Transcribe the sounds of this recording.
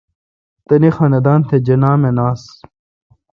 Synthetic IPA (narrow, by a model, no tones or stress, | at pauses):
t̪ɐnixɐned̪aːnt̪ʰed͡ʑɐnaːmenaːs